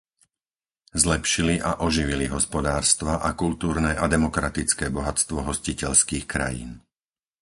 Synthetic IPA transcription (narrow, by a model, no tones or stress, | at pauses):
zlɛpʃiliʔaʔɔʒiʋiliɦɔspɔd̪aːɾst̪ʋaʔakult̪uːɾnɛːʔad̪ɛmɔkɾat̪it͡skɛːbɔɦat͡st̪ʋɔɦɔscicɛʎskiːxkɾa̰jḭːn